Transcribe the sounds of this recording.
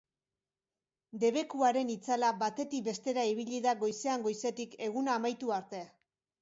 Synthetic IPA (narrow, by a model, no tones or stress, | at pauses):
d̪e̞βe̞kuaɾe̞nit͡salaβat̪e̞t̪ik̚be̞st̪e̞ɾaiβ̞iʎiðaɣo̞jse̞aŋɡo̞jse̞t̪ike̞ɣ̞unaːmajt̪uaɾt̪e̞